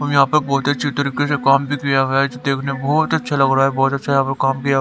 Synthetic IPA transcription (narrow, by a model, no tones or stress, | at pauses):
ɦɐmjɐɦãpɐɾbɔːt̪ɐtːʃʰit̪ɐɾiːkesekaːmbʱikijaɦd͡ʒod̪eːkʰnebɔːt̪ɐtːʃʰalɐɡɾaaːɛbɔːt̪ɐtːʃʰajɐɦãpɐɾkaːmkija